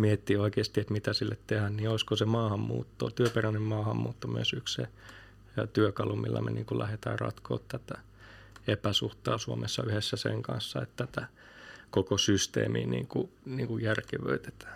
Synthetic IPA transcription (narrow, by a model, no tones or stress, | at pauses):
miet̪ːiːoikeːst̪iet̪mit̪æsilːet̪t̪ehænniːoiskosemɑːhɑmmṵːt̪ːo̰ːt̪yøperænːemmɑːhɑmmuːt̪ːomyø̰sykssḛ | t̪yøkɑlumilːæ̰mḛniːŋkulæhet̪æːrrɑ̰t̪ko̰ːt̪t̪ːæt̪æ | epæsuht̪ɑːsuomesːɑ̰yhesːæsḛŋkɑnsːɑet̪t̪ːæt̪æ | kokosyst̪ḛːmḭːnḭːŋkuniːŋkujjærkeʋø̰it̪e̥t̪æ̥ː